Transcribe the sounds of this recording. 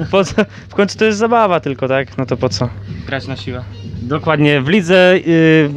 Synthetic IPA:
pɔt̪sɔ | fkɔjnt̪su̥t̪ɔjɛs̬t̪zabavat̪ɘlkɔt̪aknɔt̪ɔpɔt̪sɔɡɾat͡ɕnaɕiwad̪ɔkwad̪ɲɛvlʲid̪zɛ

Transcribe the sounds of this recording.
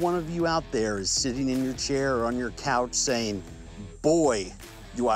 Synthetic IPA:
wʌ̃nʌvjɨaʊt̪̚ðə˞ɪz̥sɪɾɪ̃ŋɨ̃njə˞t͡ʃʰɛɹə̃njə˞kʰaʊt͡ʃseɪɪ̃ŋ | b̥ɔɪ | dəa

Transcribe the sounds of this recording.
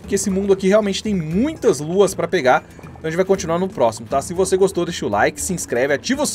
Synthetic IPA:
ʊkeesɪmũd̪ʊakiheawmẽnt͡ʃɪ̥t̪ẽj̃mũj̃t̪ɐzluɐspɾɐpeɡaɾ | t̪ɐ̃ẽt͡ʃvajkõnt͡ʃinuaɾnʊpɾɔsimʊt̪asɪvoseɡost̪owd̪esʃt͡ʃɪʊla̰jkɪ̥sɪiĩskɾɛvɪat͡ʃivos

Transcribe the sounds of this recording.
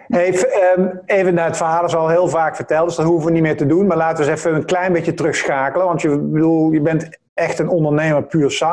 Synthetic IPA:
ɦejf | ejvənaːətfəaɦaːdəɹsɑlˠɦɪːlˠvaːkfəɹtɛlˠtdəsdɑtɦuvəʋənitmɪːɹtədunmaːɹlaːtəʋəsɛfəənklɛjnbejətərɵxsxaːkələʋɑntjəbədulˠjəbɛnt | ɛxtənɔndəɹnejməɹpyːɹsɑ

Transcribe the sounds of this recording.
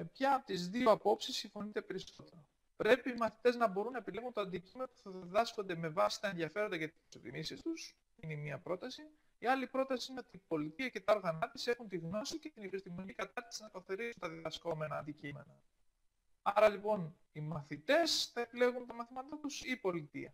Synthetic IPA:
me̞pçɐt̪izðio̞ɐpo̞psisːiɱfo̞nit̪e̞pe̞ɾisso̞t̪e̞ɾo | pɾe̞piːmɐθit̪e̞znɐbo̞ɾunːɐepile̞ɣunt̪oɐnd̪icime̞nopuθɐððɐsko̞nd̪e̞me̞vɐsi̥t̪ɐenðiɐfe̞ɾo̞nd̪ɐcɐt̪i̥si̥ssot̪ḭmisist̪us | inemiɐpɾo̞t̪ɐsi | iɐlipɾo̞t̪ɐsiine̞o̞t̪iːpo̞lit̪iɐce̞t̪ɐoɾɣɐnɐt̪ise̞xunt̪iɣno̞sice̞t̪inipist̪imoɲikɐt̪ɐɾt̪i̥siznɐkɐθeɾisunt̪ɐððɐsko̞me̞nɐːnd̪icime̞̰nɐ | ɐɾɐlipo̞n | imɐθit̪e̞sθɐepile̞ɣunt̪ɐmɐθimɐt̪ɐt̪usiːpo̞lit̪iɐ

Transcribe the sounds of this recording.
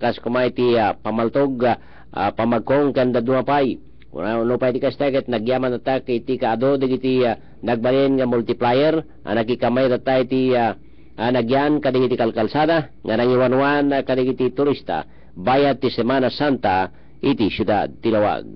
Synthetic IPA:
kaskamajt̪iapamalt̪oɡ | pamaɡ̚koŋkand̪ad̪umapaj̰ | anopajt̪ikast̪aket̪naɡjamant̪at̪akit̪ikaːd̪od̪eɡit̪i | naɡ̚balinŋamult̪iplajɛɾ | ʔa̰nakikamajt̪at̪ajt̪ia | anaɡjankad̪ikit̪ikalkalsad̪a | ŋanaŋiwanuanakad̪iɡit̪it̪ʊɾist̪a̰ | bajat̪ːisɛmanasant̪a | it̪isjud̪a̰d̪̚t̪ilawa̰ɡ̚

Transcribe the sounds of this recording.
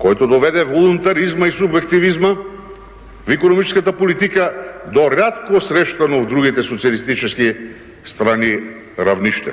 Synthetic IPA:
kɔjt̪od̪ɔvɛd̪ɛvolˠunt̪aɾizmaisubjɛkt̪ivizma | vikonomit͡ʃskat̪apolit̪ikad̪oɾat̪kosɾɛʃt̪anovd̪ɾuɡit̪ɛsot̪sialist̪it͡ʃɛski | st̪ɾani | ɾavniʃt̪ɛ̰

